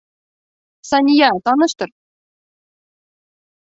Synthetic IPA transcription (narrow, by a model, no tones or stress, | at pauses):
sɑnʲijɑt̪ɑnɤ̆ʃt̪ɤ̆ɾ